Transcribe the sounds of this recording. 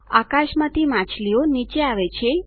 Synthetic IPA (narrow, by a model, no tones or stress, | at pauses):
a̰kaʃmãt̪ʰimãt͡ʃlionit͡ʃeaʋet͡ʃʰe